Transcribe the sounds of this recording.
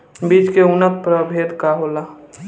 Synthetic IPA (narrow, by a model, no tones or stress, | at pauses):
biːd͡ʒkeʊnət̪̚pɾəbʱeːd̪kaɦola